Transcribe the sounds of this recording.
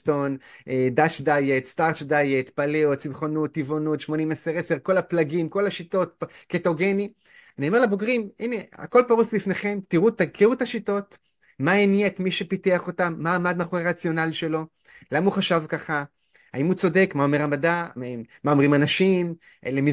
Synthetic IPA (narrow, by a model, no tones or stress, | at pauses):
to̞nedaʃdajet̪staʁʃdajet̪paleot̚t͡simχonut̪ːivonutʃmo̞nimeseʁeseʁko̞laplaɡimko̞laʃito̞t̚ketoɡe̞ni | anio̞meʁlaboɡʁiminea̰ko̞lpaʁusbifne̞χe̞mtiʁutakiʁutaʃito̞t | maeniaet̪miʃepiteaχo̞tamːaːmad̪maχoeʁat͡sjo̞naliʃe̞lo̞ | lamauχaʃavkaχa | haimut͡so̞de̞kmaomeʁamadamao̞mʁimanaʃim | elemi